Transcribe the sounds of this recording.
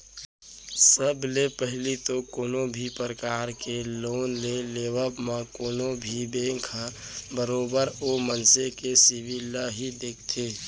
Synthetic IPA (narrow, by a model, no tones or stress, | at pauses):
səblepəɦlit̪okoːnobʱipəɾəkaːɾkeloːnleleːwəbmãkoːnobʱibẽːkʰa | bəɾoːbəɾoːmənsekesɪbilːaɦid̪eːkʰt̪ʰeː